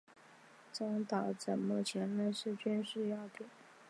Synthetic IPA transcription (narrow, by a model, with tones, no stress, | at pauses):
t͡sɑ˧˥ŋt̪ɑ˨˩t͡sə˨˩nmə˥˩t͡ɕʰjɛ˧˥nla˧ɪʂɻ̩˥˩t͡ɕy˥nʂɻ̩˥˧jɑ˥˩t̪jɛ˨˩˦n